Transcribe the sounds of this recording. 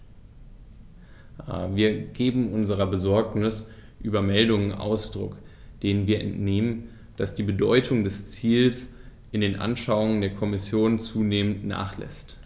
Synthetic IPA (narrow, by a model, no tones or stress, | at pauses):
a̰ːviːɐɡ̥eːbm̩ʔʊnzəʁ̞ɐbəzɔɐknɪsʔyːbɐmɛldʊŋənʔa̰ʊsd̥ʁʊ̰k | d̥eːnənviːɐʔɛ̰ntneːmən | d̥asd̥iːbədɔʏtʰʊŋdɛst͡siːlsʔɪndeːnʔa̰nʃaʊʊŋəndeːɐkʰɔmɪsjoːnt͡suːneːməntna̰ːχlɛ̰st